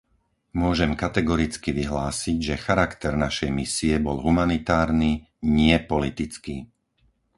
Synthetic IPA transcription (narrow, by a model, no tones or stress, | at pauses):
mʊɔʒɛmkat̪ɛɡɔɾit͡skiʋiɦlaːsiɟʒɛxaɾakt̪ɛɾnaʃɛjmisiɛbɔlɦumanit̪aːɾniː | ɲɪɛpɔlit̪it͡skiː